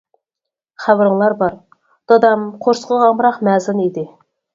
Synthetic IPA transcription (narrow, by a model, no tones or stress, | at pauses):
χæwɾəŋlˠɑɾbɑɾ | d̪̥ɑd̪ɑmqʰoɾsqəʁɑmɾɑqmæːzɪnid̪ɪ